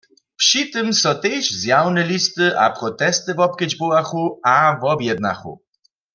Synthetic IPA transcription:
pʂit̪ɨmsɔt̪ɛjʃzjawnɛlist̪ɨʔa̰pʁɔt̪ɛst̪ɨvɔp̚kəd͡ʑbowaxuavɔbjɛd̪̚na̰xṵ

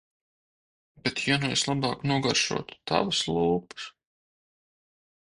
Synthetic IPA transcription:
bet̪ʰjanueslˠabɑːknuɔɡaɾʃṵɔt̪u̥t̪a̰vaslˠuːpɨ̥s

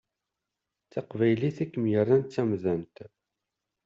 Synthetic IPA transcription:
t͡sːɑqvæjliθækːəmjərˤːænt̪t͡sːæmðænt̪

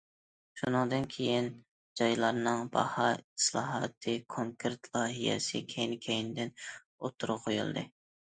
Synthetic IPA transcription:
ʃunɨŋd̪ɨnkʲʰejin | d͡ʒɑjlˠɑɾnɨŋbɑ̰hɑislˠɑ̰ːɦɑ̰t̪ʰɨkʰoŋkʰɨɾt̪ʰlˠɑːɦijɛ̰sɨ̰kʲʰejnkʲʰejinɪd̪ɪn | ot̪ʰːuɾqʰojṵlˠd̪ɨ̰

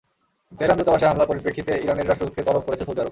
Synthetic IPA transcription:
d̪eɾand̪ot̪ːabaʃeɦamlapoɾipɾekʰːit̪eiɾaneɾaʃʈɾobut̪ʰːket̪ɔlop̚koɾet͡ɕʰesʰod̪iaɾo

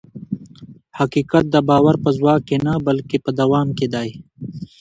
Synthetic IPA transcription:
hɐkiːkɐt̪̚d̪ɐbaːwɐɾpɐzwaːkːenɐbɐlkepɐd̪ɐwaːmked̪aːi

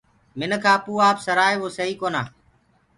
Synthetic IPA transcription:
mɪnkʰaːpuːaːpsəɾaːeʋoːsəɦiːkoːna̰ː

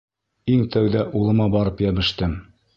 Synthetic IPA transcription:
iŋt̪æwðæʔulˠɤ̆mɑbɑɾɤpjæβɘ̆ʃt̪ɘm

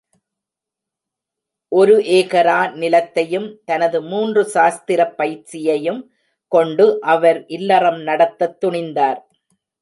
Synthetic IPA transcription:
ʔɔɾɯʔeːɣɐɾaːnɪlɐt̪ːɐjɯmt̪ɐnɐðɯmuːndrɯʃaːst̪ɪɾɐpːɐjɾt͡ʃɪjɐjɯm | kɔɳɖɯʔɐʋɐɾʔɪlːɐrɐmnɐɽɐt̪ːɐt̪ːʊɳɪnd̪aːɾ

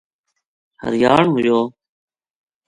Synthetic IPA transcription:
hə̰ɾjaːɳɦʊd͡ʒoː

